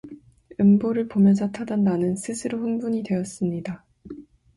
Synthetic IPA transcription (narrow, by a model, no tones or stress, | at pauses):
ɯmboɾɯɭpomjʌnsʰʌtʰadandanɯnsʰɯsʰɯɾoɸɯnbuɲidwe̞ʌs͈ɯmɲida